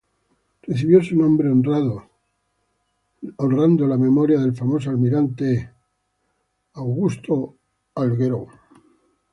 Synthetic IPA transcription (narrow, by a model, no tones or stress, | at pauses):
reθiβjo̞sunõ̞mbɾeonrraðo | onrand̪olame̞mo̞ɾjaðe̞lfamo̞s̬oalmiɾant̪e̞ | awɣust̪o̞ | alɣeɾo